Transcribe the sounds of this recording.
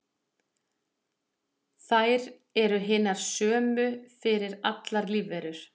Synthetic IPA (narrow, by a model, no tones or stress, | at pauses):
θajɾ | ɛɾʏɦɪːnaɾ̥sœːmʏfɪɾɪɾat̪laɾliːvɛɾʏɾ̥